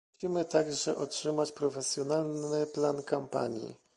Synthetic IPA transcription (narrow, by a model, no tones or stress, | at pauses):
ɕimɘt̪aɡʐɛʔɔtʂɘmat͡ɕpɾɔfɛsʲjɔnalnɘplankampa̰ɲjḭ